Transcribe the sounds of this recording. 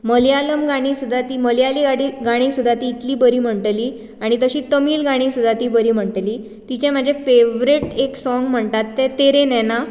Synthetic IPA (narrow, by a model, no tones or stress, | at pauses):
məljaləmɡaɽ̃iːsud̪ʱːat̪iːməljaliɡaɽiɡaɽ̃iːsud̪ʱːat̪iːt̪liːbəɾiːm̤əɳʈəliː | aɽ̃it̪əɕiːt̪əmiːlɡaɽ̃iːsud̪ʱːat̪iːbəɾiːm̤əɳʈəliː | t̪it͡ɕẽm̤əd͡ʑefeʋɾeʈeksɔŋɡm̤əɳʈ̪at̪ːet̪eɾenɛna